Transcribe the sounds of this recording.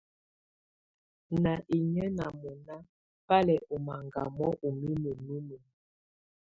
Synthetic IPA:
na˨ʔi˨ɲə˦na˨mɔ˨na˦ | pa˦lɛ˨ʔo˨ma˨ŋɡa̰˨mɔ˦ʔu˨mi˦mə˨nu˦mo˨

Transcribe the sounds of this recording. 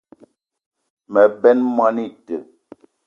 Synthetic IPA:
mɛ˨bɛ˦nmwa˦ni˦˨tə˨

